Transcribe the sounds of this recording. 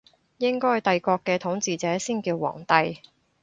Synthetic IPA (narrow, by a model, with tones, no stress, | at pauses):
jɪ˥ŋkɔː˥hjt̪ɐ˨jkɔː˧kːɛː˧t̪ʰʊ˨˥ŋt͡siː˨t͡sɛː˨˥siː˥nkiː˧wwɔ̰ː˨˩ŋt̪ɐ˨˧j